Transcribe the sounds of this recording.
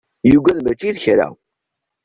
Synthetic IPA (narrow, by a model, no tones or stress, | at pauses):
juɡʷælmæt͡ʃːiðçɾa̰